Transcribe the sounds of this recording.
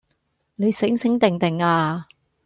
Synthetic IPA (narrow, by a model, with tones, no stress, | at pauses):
ne˨˧jsɪ˨˥ŋsɪ˨˥ŋt̪ɪ˨ŋt̪ɪ˨˩ŋaː˧